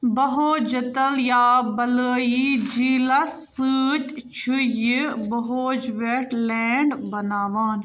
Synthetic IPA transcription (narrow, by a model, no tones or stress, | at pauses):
bɐɦoːd͡ʒɐt̪ɐljaːbɐləːjid͡ʒiːlɐsɨːt̪ʲ | t͡ʃʰujibɐɦoːd͡ʒʋeʈlɛːɳɖbɐnaːʋaːn